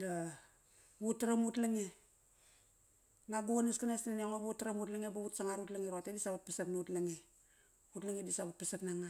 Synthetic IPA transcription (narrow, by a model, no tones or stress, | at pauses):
da | βutaɾamutlaŋe | ŋaɡuanaskanasanaŋoβutːaɾamutlaŋebaβutsaŋaɾutlaŋeɾoatedisaβat̚pasapnutlaŋe | utlaŋedisaβat̚pasapnaŋa